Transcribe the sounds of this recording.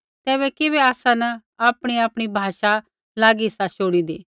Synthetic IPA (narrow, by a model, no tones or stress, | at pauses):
t̪ɛːβɛkɪβɛaːsãnɐaːpɽ̃iaːpɽ̃ibʱaːʃa | laːɡiɪsaʃoːɽ̃id̪eː